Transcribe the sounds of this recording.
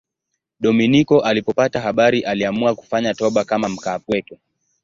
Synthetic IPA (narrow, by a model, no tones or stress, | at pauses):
ɗɔminikɔʔalipɔpataɦaɓaɾiʔaliamuaku̥faɲatɔɓakamam̩kaːpwɛtu